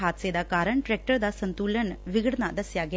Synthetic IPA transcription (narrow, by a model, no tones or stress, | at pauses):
ɦat̪sed̪akaɾəɳʈɾɛk̚ʈəɾd̪asənt̪ulənʋiɡəɽnad̪əsjaɡe